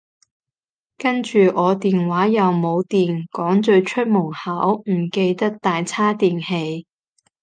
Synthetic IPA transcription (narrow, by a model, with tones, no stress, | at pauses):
kɐ˥nt͡ʃyː˨ʔɔː˨˧t̪iː˨nwaː˨˥jɐ˨wmo˨˧wt̪iː˨˩nkɔː˨˥ŋt͡ʃɵ˧ɥt͡ʃʰɵ˥t̚mʊ˨˩ŋhaː˨˥wm̩˨˩ke˧jt̪ɐ˥k̚t̪aː˨jt͡sʰaː˥t̪iː˨nhe˧j